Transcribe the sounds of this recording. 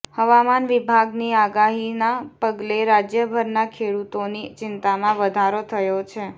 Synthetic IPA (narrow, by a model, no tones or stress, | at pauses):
həʋamanʋibʱaɡniaɡaɦinapəɡleɾad͡ʒjəbʱəɾnakʰeɽut̪onit͡ʃɪnt̪amãʋəd̪ʱaɾot̪ʰəjot͡ʃʰe